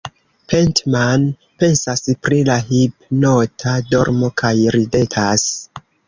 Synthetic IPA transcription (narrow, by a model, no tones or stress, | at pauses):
pʰentman | pe̞nsaspɾilahip̚notʰado̞̰ɾmo̞kʰajɾide̞tʰas